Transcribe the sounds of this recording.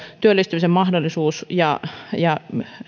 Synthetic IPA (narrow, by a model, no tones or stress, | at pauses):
t̪yølːˑist̪ymisemmɑhdolːˑisuːsjɑjɑ